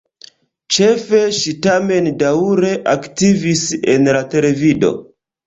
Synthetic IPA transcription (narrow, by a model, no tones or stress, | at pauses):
t͡ʃe̞fe̞ʃitame̞ndauɾe̞ʔaktivisenlate̞le̞vido̞̰